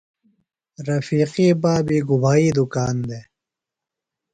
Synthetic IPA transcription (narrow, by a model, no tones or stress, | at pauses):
ɾɐfiːqiːbaːbiːɡubʱaːiːd̪ukaːnd̪eː